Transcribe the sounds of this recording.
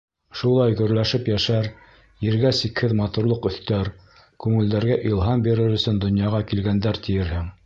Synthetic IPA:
ʃulˠɑjɡɵ̆ɾlæʃɘpjæʃæɾ | jɘ̆ɾɡæsikhɘðmɑt̪uɾlˠoqɵ̆θt̪æɾ | kʉŋɘ̆ld̪æɾɡæʔilˠɦɑmbiɾɘɾɵ̆sɵnd̪ŏnjɑʁɑkilɡænd̪æɾt̪ɘ̆jɘ̆ɾhɘŋ

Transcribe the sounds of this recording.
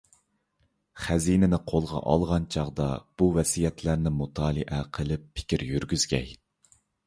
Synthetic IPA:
χæzinɪnɪqʰolˠʁɑ̰ʔɑ̰lˠʁɑnt͡ʃʰɑʁd̪ɑb̥uvɛsijɛt̪ʰlæɾnɪmut̪ʰɑːlˠɨʔɛqʰəlˠɨpʰːɪ̥kʲiɾjyɾɡʲyz̥ɡʲɛ̰j

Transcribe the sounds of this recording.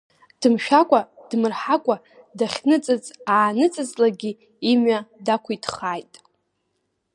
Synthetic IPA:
d̥ɨmʃᶣakʷʼad̥mɨrħakʷʼa | daχʲnɨt͡sʼɨt͡sʼaːnɨt͡sʼɨzlaɡʲiː | mɥadakʷʰitʰχajtʼ

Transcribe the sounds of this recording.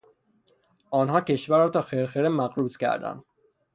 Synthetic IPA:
ʔɒːnɦɒːcʰe̞ʃvæɾːɒːt̪ʰɒːxeɾxeɾemæɣɾuːscæ̰ɾd̪æ̰nd̪̥

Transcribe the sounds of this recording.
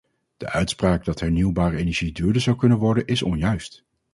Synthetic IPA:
d̥ə̰ʔœɥtspraːɡ̚dɑtɦɛɹniwbaːrəejnɛɹʒidyːɹdəzɑwkɵnənʋɔɹdənɪsɔ̰njœɥst

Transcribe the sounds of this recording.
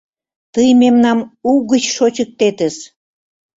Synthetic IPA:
t̪əjmemnɑmuɣət͡ɕʃot͡ɕək̚t̪et̪ə̆ʃ

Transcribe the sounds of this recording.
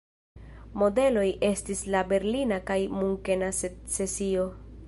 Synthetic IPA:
mo̞de̞lo̞jʔe̞stislabe̞ɾlinakajmuŋke̞nasse̞sio̞

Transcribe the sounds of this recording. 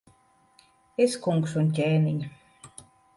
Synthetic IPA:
eskuŋksunʲcʲeːniɲʲ

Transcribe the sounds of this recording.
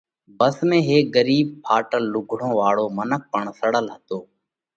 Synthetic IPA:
bəsmẽːɦeːɡəɾiːb̚pʰaːʈəlːʊɡʱɽõːʋaːɭoːmənək̚pəɳsəɽəlɦət̪oː

